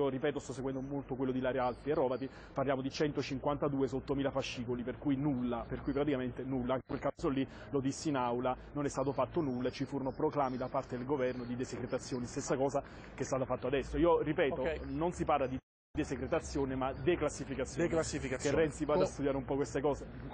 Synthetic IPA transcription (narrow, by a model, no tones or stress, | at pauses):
oripɛːt̪ost̪ɔsːeɡwɛnd̪omolt̪okwelːod̪ilaːɾialt̪ierɔːbat̪i | parljaːmod̪it͡ʃɛnt̪ot͡ʃiŋkwant̪ad̪uːesot̪ːomiːlafaʃːiːkoliperkujnulːaperkuipɾat̪̬ikament̪enulːaaŋkeŋkwelkasolːi | lod̪isːinawla | nonɛst̪aːt̪ofat̪ːonulːaet͡ʃːifuːɾonopɾoklaːmid̪apart̪ed̪elɡovɛrnod̪id̪esekɾet̪at̪sːjoːnist̪esːakɔːza | kest̪aːt̪afat̪ːoad̪ɛsːoiːoripɛːt̪ononsiparlad̪i | d̪esekɾet̪at̪sːjoːnemad̪eklasːifikat̪sːjlasːifikaskerːɛnt̪sivaːd̪ast̪ud̪jaːɾeumpɔkwest̪ekɔːze